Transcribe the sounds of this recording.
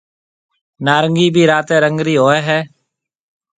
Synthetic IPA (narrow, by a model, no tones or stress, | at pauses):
naːɾəŋɡiːbʱiːɾaːt̪ẽːɾəŋɡɾiːɦoːɛːɦɛː